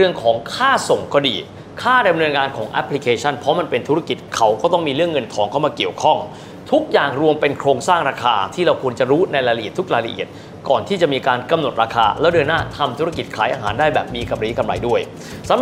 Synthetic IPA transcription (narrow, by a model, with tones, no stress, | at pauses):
ɯ˧əŋkʰɔː˩˦ŋkʰaː˥˩so˨˩ŋkɔ˥˩diː˨˧ | kʰaː˥˩da˧mnɤː˧nŋaː˧nkʰɔː˩˦ŋʔɛ̰˦˥pʰli˦˥kʰeː˧t͡ɕʰa˥˩npʰɔ˦˥ma˧npe˧nt̪ʰu˦˥ɾa˧˩ki˨˩t̪̚kʰa˦˥wkɔː˥˩t̪ɔ˥˩ŋmiː˧ɾɯ˥˩əŋːɤ˧nt̪ʰɔː˩˦ŋkʰa˥˩wmaː˧ki˨˩əwkʰɔ˥˩ŋ | t̪ʰu˦˥k̚jaː˨˩ŋɾu˧əmpe˧nkʰɾoː˧ŋsaː˥˩ŋɾaː˧kʰaː˧t̪ʰiː˥˩ɾa˧wkʰu˧ənt͡ɕa˨˩ɾuː˦˥na˧jɾa˧la˧ʔi˨˩ət̪ʰːu˦˥k̚ɾaː˧jla˧ʔḭ˨˩ət̪̚ | kɔː˨˩nt̪ʰiː˥˩t͡ɕa˨˩miː˧kaː˧nka˧mno˨˩t̪̚ɾaː˧kʰaː˧lɛː˦˥wdɤː˧naː˥˩t̪ʰa˧mt̪ʰu˦˥ɾa˧ki˨˩t̪̚kʰaː˩˦jʔaː˧ɦaː˩˦ndaː˥˩jbɛː˨˩p̚miː˧ka˨˧mɾiː˦˥kʰa˧mɾa̰˧jdu˥˩əj | sa˨˦